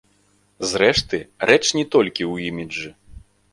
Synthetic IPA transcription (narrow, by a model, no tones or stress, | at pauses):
zɾɛʂt̪ɨɾʔɛt͡ʂnʲɛt̪ɔlʲkʲiwimʲid͡ʐɨ